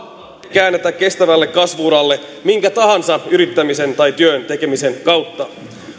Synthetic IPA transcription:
kæːnːet̪ækːe̞st̪æʋælːe̞kːɑsʋuːɾɑlːe̞ | miŋk̟æt̪ɑɦɑnsɑyɾit̪ːæmise̞nt̪ɑjt̪yønt̪e̞ke̞mise̞nkɑwt̪ːɑ

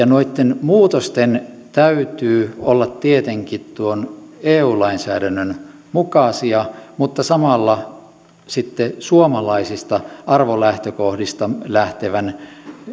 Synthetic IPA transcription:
jɑnoit̪ːenmuːt̪ost̪en | t̪æyt̪yːolːɑt̪tiet̪eŋkit̪t̪uoneːuːlɑinsæːdænːøn | mukɑˑsiɑmut̪ːɑsɑmɑlːɑ | sit̪ːesuomɑlɑisist̪ɑʔɑrʋolæht̪økohdist̪ɑlæht̪eʋæn

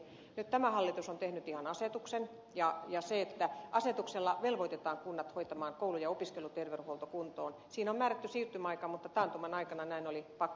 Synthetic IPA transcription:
nyt̪t̪æmæhɑlːit̪usont̪ehnyt̪ihɑnɑset̪uksen | jɑjɑseet̪ːæʔɑset̪ukselːɑʋelʋoit̪et̪ɑːŋkunːɑt̪hoit̪ɑmɑːŋkoulujɑopiskelut̪erʋeuholt̪okunt̪oːnsiːnommæːɾæt̪ːysiːrt̪ymæɑikɑːmut̪ːɑt̪ɑːnt̪umɑnɑikɑnɑnæinolipɑkː

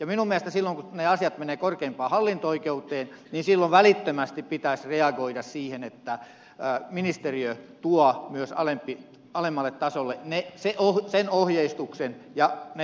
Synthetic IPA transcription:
jɑminummiæest̪æsilːoŋkuneɑsijɑt̪meneːkorkeimpɑːhɑlːint̪ooikeut̪ˑeːnniːnsilːoʋʋælit̪ːømæst̪ippit̪æsʲreɑɡoiɾɑssiːhenet̪ːæ | minist̪eriøt̪uɑmyøsɑ̰lempːi | ɑlemːɑlːˑet̪t̪ɑsolːeneseʔohsenohjeist̪uksenjɑne

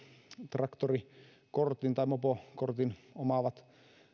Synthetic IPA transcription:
t̪rɑkt̪ori | kort̪int̪ɑimopokort̪inomɑʋɑt̪

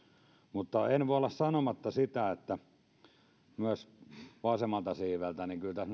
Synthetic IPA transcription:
mut̪ːɑenʋoˑolːɑssɑnomɑt̪ːɑsit̪æet̪ːæ | myæsʋɑsemːɑlt̪ɑsiːʋælt̪æniŋkylt̪æsn

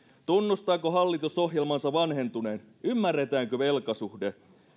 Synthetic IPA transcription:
t̪unːust̪ɑːkoɦɑlːit̪uso̞hjelmɑnsɑʋɑnhe̞nt̪une̞ːn | ymːærːet̪æːŋkøʋe̞lkɑsuhde

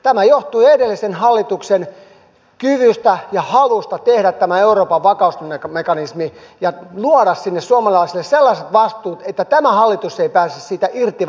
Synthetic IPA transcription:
t̪æmæjoht̪uiedelːisenhɑlːit̪uksen | kyʋyst̪æjɑhɑlust̪ɑt̪ehɾæt̪tæmæeuroːpɑʋʋɑkɑusekmekɑnismijɑluoɾɑssinːessuɑmɑlɑisilːesselːɑset̪ʋɑst̪uːt̪et̪ːæt̪æmæhɑlːit̪useipæːsːyssiːt̪æʔirt̪i

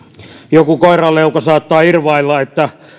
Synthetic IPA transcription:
jokukoirɑleukɑsɑːt̪ːɑːirʋɑilːɑet̪ːæ

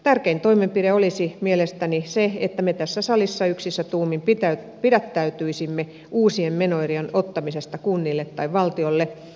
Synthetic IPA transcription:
t̪ærkeint̪oimempiɾeolisimielest̪æniseḛt̪ːæmet̪æsːæsɑlisːɑyksisːæt̪uːmimpit̪æ | pidæt̪ːæyt̪yisimːe | uːsiemmenoirienot̪ːɑmisest̪ɑkunːilːet̪ːɑiʋʋɑlt̪iolːe

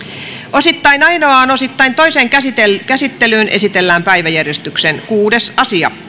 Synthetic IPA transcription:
osit̪ːɑinɑinoɑːnosit̪ːɑint̪oiseːŋkæsit̪elkæsit̪ːelyːnʔesit̪elːæːmpæiʋæjærjest̪yksenkuːdesɑsiɑ̰

